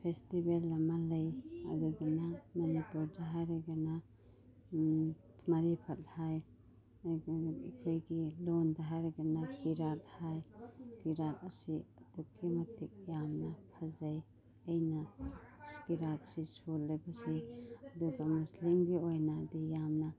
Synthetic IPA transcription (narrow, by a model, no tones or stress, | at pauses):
pʰestibelːɐmalɐjɐ̰duɡɐnamɐnipuɾdaɦajɾaɡɐna | mɐɾipʰɐt̚haj | ikʰojɡilondaɦajɾɐɡɐnakiɾat̚hajɡiɾat̚ɐsiɐdukːimɐtik̚jamnɐpʰɐzaj | ɐjnɐskiɾat̚sisolːɐjbasiɐduɡɐmuslimɡiojnaːdijamnɐ